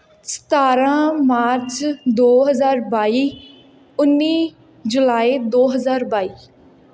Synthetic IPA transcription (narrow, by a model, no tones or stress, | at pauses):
sə̥t̪aːɾãːmaːɾt͡ʃd̪oːɦəzaːɾbaːiː | ʊnːiː | d͡ʒʊlaːiːd̪oːɦəzaːɾbaːiː